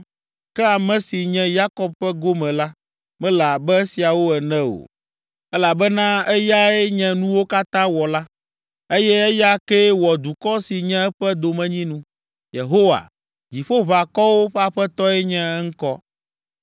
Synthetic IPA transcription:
kɛ˦a˨mɛ̃˨si˨ɲɛ̃˦ja˦kɔ˦b̚ɸɛ˦ɡo˦mɛ̃˨la˦ | mɛ̃˦la˨bɛ˦si˨a˨wo˦ɛ˨nɛ̃˦o̰˨ | ɛ˦la˨bɛ˦nã˦ɛ˦ja˦ɛ˦ɲɛ̃˦nũ˦wo˦ka˦t̪ã˦wɔ˨la˦ | e˦jɛ˦ɛ˦ja˦ke˦wɔ˨d̪u˨kɔ˦si˨ɲɛ̃˦ɛ˦ɸɛ˦d̪o˨mɛ̃˦ɲĩ˦nũ˦ | je˨ɦo˦wa̰˨ | d͡ʑi˨ɸo˦βa˨kɔ˦wo˦ɸɛ˦a˦˨ɸɛ˦t̪ɔ˦ɛ˦ɲɛ̃˦ɛ˦ŋ̩˦kɔ˦

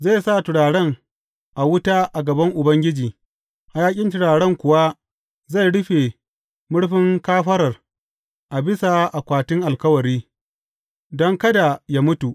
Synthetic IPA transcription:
za˦˨jsa˦˨tɪ˨ɽaː˨ɽɛ˦˨ŋ | ʔa˨wʊ˦taː˦ʔa˨ɡɐ˨bɐ˦ŋʔʊ˨bɐ˦ŋɡʲɪ˦d͡ʒiː˨ | ʔa˨jaː˦kʲʼɪ˦ntɪ˨ɽaː˨ɽɛ˦ŋkʷʊ˨wa˦ | za˦˨jɽɪ˦ɸe˨ | mʊ˦ɽɸɪ˦ŋkaː˦ɸɐ˦ɾɐ˨r | ʔa˨bɪ˦sa˨ʔa˨kʷaː˨tɪ˦ŋʔa˨lkɐ˦wɐ˨ɾiː˦ | dɔ˦ŋkɐ˦da˨jaː˦mʊ˦tu˨ʔ

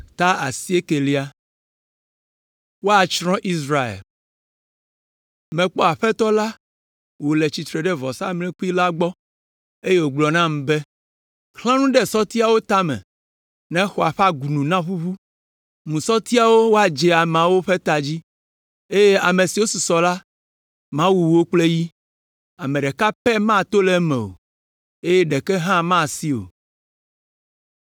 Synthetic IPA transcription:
t̪a˦a̰˨si˦e˦ke˨li˨˦a˨ | wo˦a˨t͡ʃɾɔ̃˦ʔi˦s̬ɾa˨ḛ˨l | mɛ̃˨k͡pɔ˦a˨ɸɛ˦t̪ɔ˦la˦ | wo˨le˨t͡ɕi˨t̪ɾe˨ɖɛ˦vɔ˨sa˦mlɛ̃˦ku˦i˦la˦ɡ͡bɔ˦ | e˦je˦wo˨ɡ͡blɔ˨nã˦m̃˨be˦ | xlã˦nũ˦ɖɛ˦sɔ˦t̪i˦a˨wo˦t̪a˦mɛ̰̃˨ | nɛ̃˦xo˨a˨ɸa˦ɡu˨nũ˨nã˦ɸu˦βu˦ | mũ˨sɔ˦t̪i˦a˨wo˦wo˦a˨d͡ʒɛ˨a˨mɛ̃˨a˨wo˦ɸe˦t̪a˨d͡ʑi˦ | e˦je˦a˨mẽ˨si˨wo˦su˨sɔ˨la˦ | mã˦wu˨wo˦k͡ple˦ji˦ | a˨mẽ˨ɖɛ˨ka˦pɛ˦mã˦˨t̪o˦le˦mɛ̰̃˨o̰˨ | e˦je˦ɖe˨kɛ˦ɦã˦mã˦˨si˦o̰˨

